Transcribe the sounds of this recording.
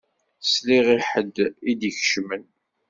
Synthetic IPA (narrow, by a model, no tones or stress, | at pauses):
sliʁiħəd̪id̪çʃmən